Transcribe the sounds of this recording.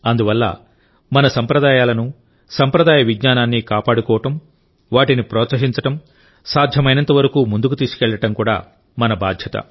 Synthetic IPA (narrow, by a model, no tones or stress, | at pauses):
ɐnd̪uʋɐlːɐ̰ | mɐnɐsɐmpɾɐd̪aːjaːlɐnu | sɐmpɾɐd̪aːjɐʋiɡɲaːnaːnːikaːpaːɽukɔːʋɐʈɐm | ʋaːʈinipɾɔːt̪sɐɦiɲt͡ʃɐʈɐm | saːd̪ʱjɐmɐjnɐnt̪ɐʋɐɾɐkuːmund̪ukut̪iːsu̥kɛːɭːɐʈɐmkuːɽa̰ː | mɐnɐbaːd̪ʱjɐt̪ɐ̰